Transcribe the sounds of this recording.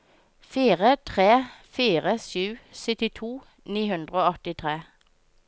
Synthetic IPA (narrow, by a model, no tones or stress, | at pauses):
fiːʁət̪ʰʁeːfiːʁəsʉːsʏt̪ɪt̪ʰuː | niːhʉnd̪ʁəoːɔt̪ɪt̪ʰʁeː